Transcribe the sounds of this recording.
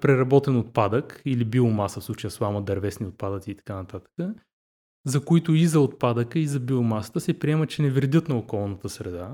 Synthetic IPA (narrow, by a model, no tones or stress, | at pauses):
pɾɛɾɐbɔt̪ɛnot̪̚pad̪əkilibiomasəfslˠut͡ʃəjəslˠaməd̪ɐɾvɛsniot̪̚pad̪ət̪iːt̪ɐ̥kanɐt̪at̪ə̥kə | zɐkoit̪ʊizɐot̪̚pad̪əkəizɐbiomasə̥t̪əsɛpɾiɛmət͡ʃɛnɛvɾd̪ʲɤt̪nɐokɔlˠnət̪əsɾɛd̪a